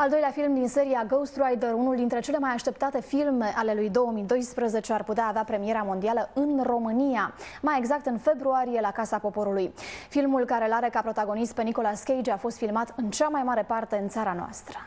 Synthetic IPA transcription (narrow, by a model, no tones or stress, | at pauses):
ald̪o̞jleafilmd̪inse̞ɾiaɡowst̪ɾuajd̪əɾunuld̪int̪ɾe̞t͡ʃe̞le̞majaʃt̪e̞p̚t̪at̪e̞filme̞ʔale̞lujd̪o̞wəmid̪o̞jspɾəze̞t͡ʃearput̪eaːveapɾe̞mije̞ɾamo̞nd̪ialəɨnro̞mɨnijamaje̞ɡzak̚t̪ɨnfe̞bɾuaɾije̞lakasapo̞po̞ɾulujfilmulkaɾe̞laɾe̞kapɾo̞t̪aɡo̞nist̪̚peniko̞laskʲejd͡ʒafo̞st̪filmat̪ɨnt͡ʃamajmaɾe̞part̪e̞ɨnt̪saɾanoa̰st̪ɾə̥